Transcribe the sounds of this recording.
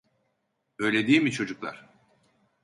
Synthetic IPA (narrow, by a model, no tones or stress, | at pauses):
ø̞jlʲe̞d̪iːmit͡ʃʰo̞d͡ʒuklˠa̰ɾ̥